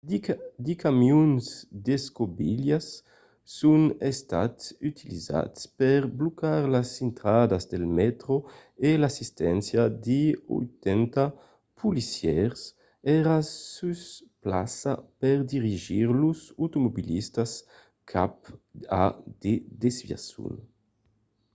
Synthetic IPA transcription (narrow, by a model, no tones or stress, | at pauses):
d̪ikamjunzd̪eskobḭljasː | unest̪a̰t̪syt̪ʰiliza̰tspɛɾblokaɾlasint̪ɾad̪azd̪elmɛt̪ɾo | elasist̪ɛnsjad̪io̰jt̪ɛnt̪a | pulisjɛɾs | ɛɾasuspla̰sapɛɾd̪iʁiʒiɾluzut̪umobilist̪as | kʰapa̰d̪ed̪ezvja̰sṵn